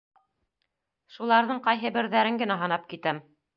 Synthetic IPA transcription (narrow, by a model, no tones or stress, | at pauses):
ʃulˠɑɾðɤɴqɑjɦɤbɘ̆ɾðæɾɘŋɡɘ̆næɦɤ̆nɑp̚kit̪ɘm